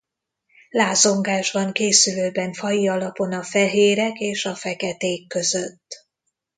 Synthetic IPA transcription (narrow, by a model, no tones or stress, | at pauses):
laːzo̞ŋɡaːʒbɒŋkeːsyløːbɛɱfɒjiɒlɒpo̞nɒfɛɦeːɾɛkeːʃɒfɛkɛt̪eːkːø̞zøt̪ː